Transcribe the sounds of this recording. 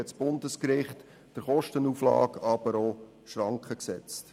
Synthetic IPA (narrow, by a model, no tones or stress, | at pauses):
ɛtsb̥ʊndəskɾɪχt | d̥əɾχɔʃtənuːflɑ̰ːkɑb̥əɾo | ʃɾɑŋkχəksɛ̰t͡st